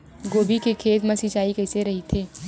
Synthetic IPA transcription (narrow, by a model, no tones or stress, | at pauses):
ɡoːbikekʰeːt̪mɐ̃sit͡ʃaːikɛːɪseɾɐɦit̪ʰeː